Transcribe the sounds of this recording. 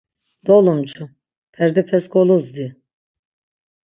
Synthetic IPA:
d̪̥olˠumt͡ʃʰu | pʰɛɾd̪ɛpʰɛskʰolˠuzd̪i

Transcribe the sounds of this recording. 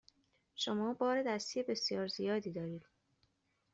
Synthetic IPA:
ʃomɒːbɒːɾed̪æst̪ije̞be̞sjɒːɾzijɒːd̪iːd̪ɒːɾiːd̪̥

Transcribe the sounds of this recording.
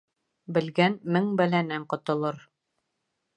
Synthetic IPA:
bɘ̆lɡænmɘŋbælænɘɴqŏt̪ŏlˠɤɾ

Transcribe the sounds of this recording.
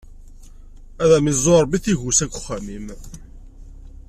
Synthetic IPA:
æðæmizˤːoɾˤbiθiʝusækʷːʊ̥χːæmim

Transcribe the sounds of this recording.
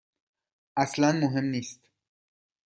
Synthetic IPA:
ʔaslanmoɦemniːst̪

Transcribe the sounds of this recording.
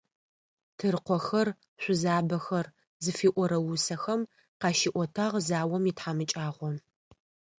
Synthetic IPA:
tʰɨrqʷɔxɐr | ɕʷʊzaːbɐxɐr | zɨfiːʔʷɔɾɐwʊsɐxɐm | qɑːʃiːʔʷɔtʰaʁzaːwɔmitħaːmɨt͡ʃʼaːʁʷɔ

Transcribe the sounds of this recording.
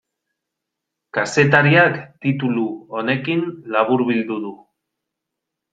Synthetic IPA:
kase̞t̪aɾiakt̪it̪uluone̞kinlaβuɾβild̪uðu

